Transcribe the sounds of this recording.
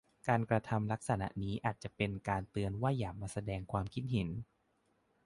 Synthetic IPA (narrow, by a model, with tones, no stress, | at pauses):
kaː˧nkɾa˧t̪ʰa˧mla˦˥k̚sa˧na̰˧˦ʔniː˦˥ʔaː˨˩t̪̚t͡ɕa˨˩pe˧nkaː˧nt̪ɯ˧ənwaː˥˩jaː˨˩k̚maː˧sa˧dɛː˧ŋkʰwaː˧mkʰi˦˥t̪̚ɦe˩˦n